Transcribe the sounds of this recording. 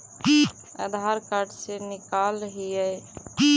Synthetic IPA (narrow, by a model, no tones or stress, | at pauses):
ə̰d̪ʱaɾkaɾɖsenɪkalɦiəj